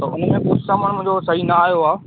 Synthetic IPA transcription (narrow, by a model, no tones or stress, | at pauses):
t̪ɐʊnmẽpʊɾsaːməɽ̃mʊ̃ɦd͡ʑosɐɦinaːjoaː